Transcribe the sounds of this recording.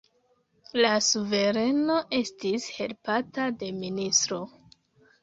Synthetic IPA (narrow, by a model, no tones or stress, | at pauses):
lasuve̞ɾe̞no̞ʔe̞stishe̞lpatade̞ministɾo̞